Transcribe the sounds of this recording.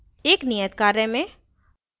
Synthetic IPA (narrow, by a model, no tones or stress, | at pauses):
eːknijət̪kaːɾəmẽ